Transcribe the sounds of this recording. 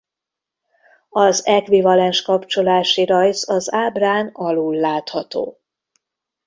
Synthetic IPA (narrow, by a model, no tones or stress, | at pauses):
ɒzɛkʋivɒlɛnʃkɒpt͡ʃo̞laːʃiɾɒjzɒzaːbraːnɒluːlːaːt̪hɒt̪o̰ː